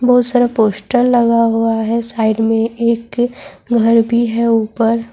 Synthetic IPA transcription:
bɔɦt̪səɾəɦpoːsʈəlːɐɡaɦuaɦɛsaːɪɖmẽʔeːkɡʱɐɾbʱiɦɛuːpəɾ

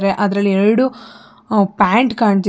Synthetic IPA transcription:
ɾeʔɐd̪ɐɾɐlːieɾɐɽu | paːɳʈkaːɳt̪̬i

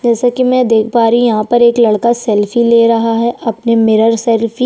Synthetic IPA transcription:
d͡ʒɛːsakimɛ̃ːd̪eːkʰbaːɾijɐɦãpɐɾeːklɐɽkasɛlfileːɾɐɦaɦɛʔɐpnemɪɾəɾsɛlfi

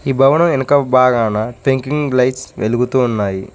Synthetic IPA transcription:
iːbʱɐʋɐnɐmenkɐbaːɡaːnaːpʰeŋkiŋɡlɐjʈsʋʔeluɡut̪uːnːaːji

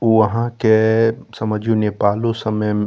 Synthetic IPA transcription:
oʋɐɦãkesɐməd͡ʒʱũnepaːlõsɐməj

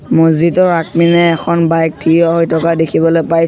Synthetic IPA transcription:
mozitɔɹak̚minɛːkʰɔnbajk̚tʰijɔɦojtʰɔkadekʰibɔlojpaj

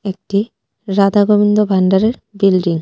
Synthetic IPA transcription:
ek̚ʈi | ɾad̪aɡobind̪obʱaɳɖaɾeɾbilɖiŋ

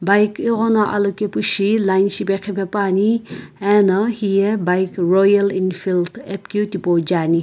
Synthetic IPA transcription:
bajkiʁɔnaʔɐ̰lokepuʃilajnʃipekʰipepaːniɛnɐhijebajkrojɐlinfilt̪ʰep̚kut̪ipod͡ʒaːni

